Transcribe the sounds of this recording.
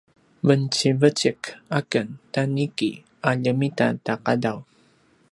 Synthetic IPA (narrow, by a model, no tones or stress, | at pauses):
vənt͡ɕivət͡ɕəkakəntanikḭ | aʎəmita̰taqadaw